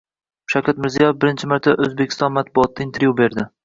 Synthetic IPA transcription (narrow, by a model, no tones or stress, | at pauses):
ʃawkʲat̪mɪɾzijɒjefbɪɾɪnt͡ʃʰɪmaɾt̪ʰaʔɵzbekʲʰɪ̥st̪ɒnmat̪̚bʊɒt̪ːaɪnt̪ʰeɾjubeɾd̪ɪ